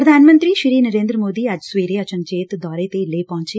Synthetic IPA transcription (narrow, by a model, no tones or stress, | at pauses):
pɾɐd̪ʱaːnmɐnt̪ɾiːʃiɾiːnɐɾeːnd̪ɾɐmoːd̪iːaːd͡ʒsʋeːɾeːɐt͡ʃɐnd͡ʒeːt̪d̪ʱɔːɾeːt̪eːleːpɔ̃ːɲt͡ʃeː